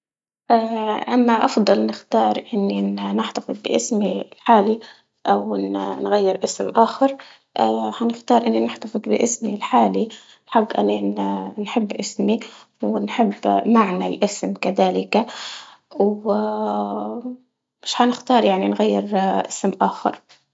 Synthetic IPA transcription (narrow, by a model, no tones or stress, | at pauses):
ʔaːʔamːaʔɑfd̪ˤɑlnɪxt̪ɑːɾˤʔɪnːinɪħt̪afɨd̪ˤbɪʔɪsmilħaːli | ʔawnnɣajːɪɾʔɪsmʔaːxɑɾˤ | ʔaːhanɪxt̪ɑːɾˤʔɪnːinɪħt̪afɨd̪ˤbɪʔɪsmilħaːli | ħaɡːʔa̰nːinħɪbːʔɪsmi | wɪnħɪbːmaʕnalʔɪsmkaðaːlɪka | w | mɪʃħanɪxt̪ɑːɾˤjaʕninɣajːɪɾʔɪsmʔaːxɑ̰ɾˤ